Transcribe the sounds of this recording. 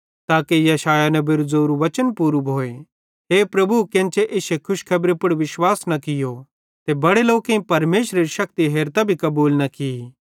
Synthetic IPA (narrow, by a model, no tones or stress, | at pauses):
t̪aːkejɐʃaːjanɛbɪɾuzoːɾuʋɐt͡ʃənpuːɾubʱoːe | ɦeːpɾɐbukẽnt͡ʃeʔeːsekʰʊʃkʰɐbɾepʊɽʋɪʃwaːsnɐkɪjo | t̪ebɐɽeloːkẽĩpɐɾmeːʃɾeɾiʃɐk̚t̪iɦeːɾt̪abʱikɐbuːlnɐkɪi